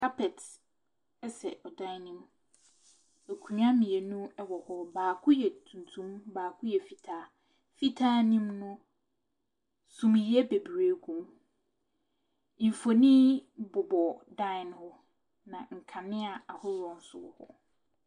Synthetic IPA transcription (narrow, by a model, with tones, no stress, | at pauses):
kʰa˦pʰɛ˨t | ɛ˦sɛ̰˨ʔɔ˨dã˦nĩ˦m | e˨kʰu˨˦ã˦mĩ˨e˨nũ˦ɛ˦wɔ˨hɔ˦baː˨kʰʊ˦jɛ˨tʰũ˨n˨tʰũ˦mbaː˨kʰʊ˦jɛ˨fi˨tʰaː˦ | fi˦tʰaː˦nĩ˦mnʊ̃˦ | sũ˨mji˨ɛ˦be˨bɾe˨˦ɡʰũ˦m | ĩ˨fo˨nĩ˦bʊ˨bɔ˨dã˦˨nhɔ˦ | nã˨ŋ̩˨kʰã˨nɪ̃˦a˨a˨hʊ˦ɾɔ̃˨n̩˦sʊ̰˦wɔ̰˨hɔ̰˦